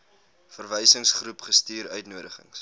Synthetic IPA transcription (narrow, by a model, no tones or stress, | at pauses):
fərvəjsəŋsχrupχəstiːɾœ̰ɥtnuədəχə̰ŋs